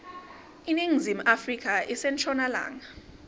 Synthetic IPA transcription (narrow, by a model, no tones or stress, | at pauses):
iniŋzim̩ʔafrikʰʼaʔisɛnt͡ʃʰʼɔnala̰ːŋa